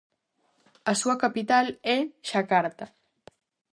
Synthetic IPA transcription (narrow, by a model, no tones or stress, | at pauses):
asuakapit̪aleʃakaɾt̪a